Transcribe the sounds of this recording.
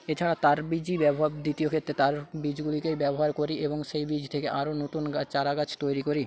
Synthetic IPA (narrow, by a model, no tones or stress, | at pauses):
et͡ɕʰaɽat̪aɾbid͡ʑibɛboɦabd̪it̪iokʰet̪ːɾet̪aɾbid͡ʑɡulikejbɛboɦaɾkoɾiʔeboŋʃejbid͡ʑʱt̪ʰekeʔaɾonot̪unɡat͡ɕaɾaɡat͡ɕʰt̪ojɾikoɾi